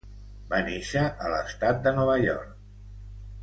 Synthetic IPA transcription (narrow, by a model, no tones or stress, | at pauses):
baneʃəʔələ̰st̪at̪̚d̪ənɔβ̞əʎɔ̰ɾk̚